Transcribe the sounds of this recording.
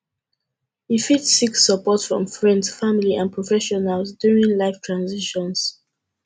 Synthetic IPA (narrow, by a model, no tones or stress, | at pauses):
hifitsiksəpɔtsfɹɔ̰̃mfɹɛ̃ndsfamiliãnpʰɹɔfɛʃɔnalsduɹĩŋlaɪftʰɹãnziʃɔ̃ns